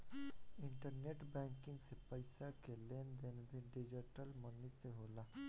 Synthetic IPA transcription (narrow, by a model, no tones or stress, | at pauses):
ɪ̃ɳʈəɾneːʈbɛ̃ːŋkɪ̃ŋɡsepəɪsakeleːnd̪enbʱiɖɪd͡ʒiʈəlmɔniseɦoːlaː